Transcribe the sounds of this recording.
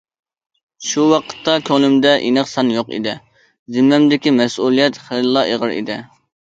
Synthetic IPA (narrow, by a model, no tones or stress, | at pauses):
ʃuwɑqʰə̥t̪ːɑkʲʰølɪmd̪ɛʔinəqsɑnjoqḭd̪ɪ | zɪmːɛmd̪ɪkʲimɛsʔulˠijɛt̪χellˠːɑʔeʁəɾḭd̪ɪ